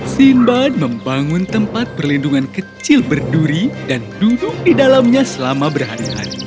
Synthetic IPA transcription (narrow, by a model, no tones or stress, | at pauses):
sinbadməmbaŋʊnt̪əmpat̪̚pərlinduŋankət͡ʃɪlbərduɾidandud͡ʒʊk̚didalamɲasəlamabərɦaɾiɦa̰ɾi